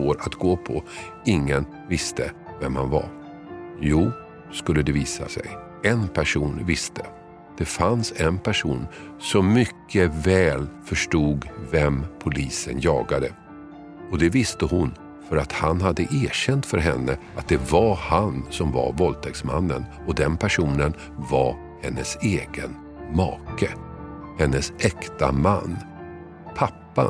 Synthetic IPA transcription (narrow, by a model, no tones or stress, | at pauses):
svoːɾat̪ɡoːpʰɔ | ɪŋːən | vɪst̪ʰəvɛmhanva̰ɾ | juː | skɵlːəd̪ɛviːsa̰sɛ̰j | ɛnpʰæʂuːnvɪst̪ʰə | d̪̥ɛfansɛnpʰæʂuːnsɔmːʏkʰːəvɛːlfœʂʈuːɡvɛmpʰʊliːsənjɑːɡad̪ə | ɔd̪ɛvɪst̪əhʊn | fœɾat̪hanhad̪ːəʔeːɕɛnt̪fœɾɦɛnːəat̪̚d̪ɛvaɾhansɔmva̰ɾvɔlt̪ʰɛksma̰nːə̰n | ɔd̪ɛnpʰæʂuːnən | vaɾ | hɛnːəseːɡə̰n | mɑ̰ːkə | hɛnːəsʔɛkt̪amanː | pʰapːa̰